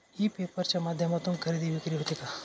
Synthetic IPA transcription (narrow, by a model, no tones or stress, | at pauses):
hipeːpəɾt͡ʃɐmaːd̪ʱjəmat̪umkʰɐɾid̪iʋikɾiɦot̪ika